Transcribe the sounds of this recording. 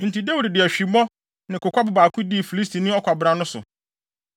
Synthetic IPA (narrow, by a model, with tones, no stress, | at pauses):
n̩˨ti˨da˦wu˨ddɪ˨æ˨ɕᶣi˨mɔ̃˦ | nɪ̃˨kʊ˨kʷa˦bʊ˨baː˨kʰʊ̃˦di˦˨fi˨li˦s̬tʰi˨nɪ̃˦ɔ˦kʷa˨bɾã˨nʊ̃˦sʊ̰˨